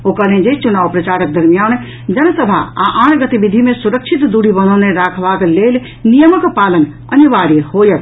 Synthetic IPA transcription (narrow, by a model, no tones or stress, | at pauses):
okəned͡ʒet͡ʃunaʋpɾət͡ʃaɾək̚d̪əɾmijan | d͡ʒənəsəbʱa̰aʔãʈʰɡət̪ibid̪ʱimesuɾək̚t͡ʃʰit̪d̪uɽibənəneɾakʰbaklel | nijəməkpalən | əniʋaɾihojət̪